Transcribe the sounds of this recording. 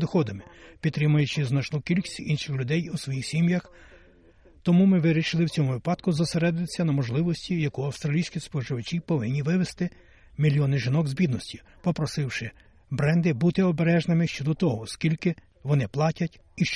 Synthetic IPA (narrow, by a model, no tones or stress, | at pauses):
d̪ɔxɔd̪ɐmɪpʲid̪t̪ːɾɪmʊjʊt͡ʃɪznɐt͡ʃnɔkʲilʲkɪ̥sʲinʃɪxlʲʊd̪ɛjusʋɔjixsʲimjɐx | t̪ɔmumɪʋɪɾʲiʃɪlˠɪwt͡sʲɔmʊʋɪpɑd̪kʊzɔseɾɛd̪ʊɪsʲːɐnɐmɔʒlˠɪʋɔsʲtʲijɐkuɐwst̪ɾɐlʲijsʲkʲispɔʒɪʋɐt͡ʃʲipɔʋɪnʲːiʋɪʋest̪ɪ | mʲilʲjɔnɪʒɪnɔɡzʲbʲid̪nɔsʲtʲi | pɔpɾɔsɪwʃɪ | bɾɛnd̪ɪbut̪ɪɔbeɾɛʒnɪmɪʃt͡ʃɔd̪ɔt̪ɔɦɔskʲilʲkɪ | ʋɔnɪplˠɑtʲɐtʲ | iʃ